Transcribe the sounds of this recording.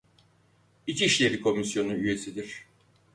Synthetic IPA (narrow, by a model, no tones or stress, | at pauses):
it͡ʃʰiiʃlʲeɾikʰo̞misjo̞nuyje̞sid̪iɾ̥